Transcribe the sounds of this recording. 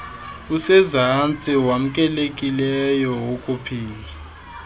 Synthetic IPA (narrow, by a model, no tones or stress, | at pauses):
usɛzant͡sʼiwam̩kʼɛlekʼilɛjɔwokʼupʰiːla